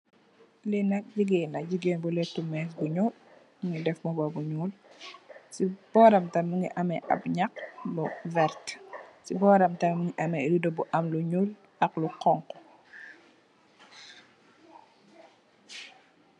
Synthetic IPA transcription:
linɐk̚ɟiɡɛːnlɐɟiɡɛːnbulɛtːumɛːsbuɲuːl | muŋɡidɛfmɔbɔbuɲuːl | sib̥ɔːɾɐmtɐmːuŋɡiʔɐmɛʔɐ̰pɲɐk̚bɔvɛɾtsibɔːɾɐmtɐmmuŋiʔɐmɛdudɔbuʔɐmluɲuːl | ʔɐkluqɔŋkɔ

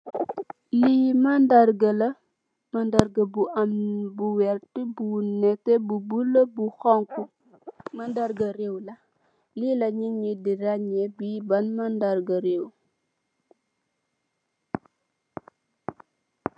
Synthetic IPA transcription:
limandaɾɡɐlɐ | mandaɾɡəbuʔambuwɛɾtibunɛtebubulobuxɔŋku | mandaɾɡɐɾewla | lilɐɲiɲidiɾaɲebibanmandaɾɡɐɾew

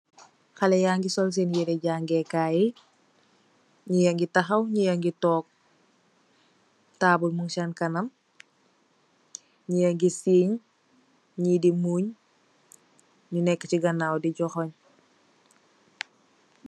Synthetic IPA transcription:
xɐlɛjaːŋɡisɔls̬enjiɾɛɟaːŋɡɛkaːji | ɲijɐŋɡitɐxɐwɲijɐŋɡitɔːk̚ | taːbulmuŋʃankɐnɐm | ɲijɐŋɡisiːɲ | ɲidimuːɲ | ɲunɛkːɐciɡɐnaːwdiɟɔxɔɲ

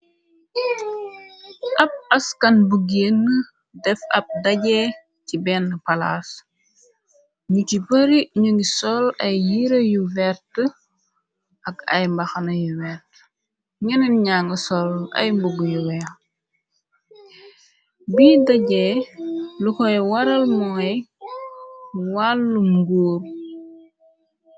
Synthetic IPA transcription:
ʔɐp̚ɐskɐnbuɡenːə | dɛfɐp̚dɐɟɛ | cibɛnːəpɐla̰ːs | ɲucipəɾiɲuŋɡisɔlɐjjiɾɐjuvɛɾtə | ɐkɐ̰jmbɐxɐnɐjuvɛrt | ɲəninɲaŋɡəsɔlɐ̰jmbuɡujuwɛ | biːdɐɟɛ | lukɔjwɐɾɐlmɔŋɐj | walːumɡuːɾ

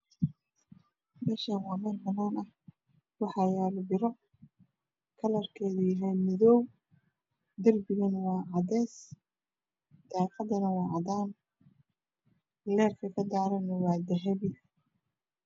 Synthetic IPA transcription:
bɛːʃanwɑːmɛlbɐnaːnɐh | wɑħɑːjaːlʊbɪɾɔ | kʰɐlɐrkʰɛːðʊjɐɦɛjmɪðɔw | d̪ɐrbɪɣɐnwɑːʕɑðɛːs | d̪̥aːqɑðɐnɐwɑːʕɑðaːn | lɛːrkʰɐkʰɐd̪aːɾɐnɐwɑːd̪ɐɦɐβɪ

